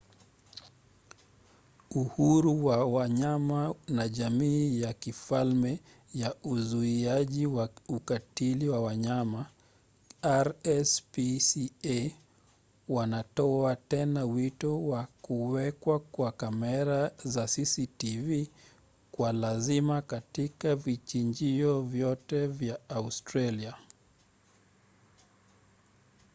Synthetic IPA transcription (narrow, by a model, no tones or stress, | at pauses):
uhuɾuwawaɲamanaʄamiːjakifalmɛ | jauzuiaʄiwaukatiliwawaɲama | aɾɛspisie | wanatɔatɛnawitɔwakuwɛkwakwakamɛɾazasisitivi | kwalazimakatikavit͡ʃiɲd͡ʒiɔvjɔtɛvjaːustɾalia